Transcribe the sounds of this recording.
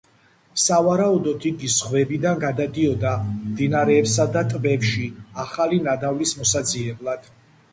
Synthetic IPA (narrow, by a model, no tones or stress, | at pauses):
savaɾaud̪ɔt̪ʰiɡisχvɛbid̪anɡad̪ad̪iɔd̪amd̪inaɾɛːpsad̪at̪ʼbɛpʃiaχalinad̪avlismɔsad̪ziɛblˠad̪̥